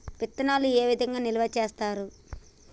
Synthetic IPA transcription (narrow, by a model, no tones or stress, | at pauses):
ʋit̪ːɐnaːlueːʋid̪ʱɐŋɡaːnilɐʋɐt͡ʃe̞ːst̪aːɾu